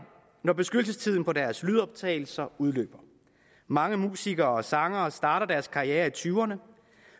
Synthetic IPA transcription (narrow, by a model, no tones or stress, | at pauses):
nɒb̥e̝sɡ̥ødl̩s̬əst͡sʰiðˠn̩pʰɒ̽d̥æɐslyð̞ˠɒ̽b̥̚t͡sʰɛ̰ɪl̩sɐuð̞ˠlø̰ːb̥ɐ | mɑ̈ŋəmṵːsiɡ̥ɐːɒ̽sɑ̈ŋɐːsd̥ɑ̈ːɾɐd̥æɐskʰɑ̈ieːɐit͡sʰyʊɐnə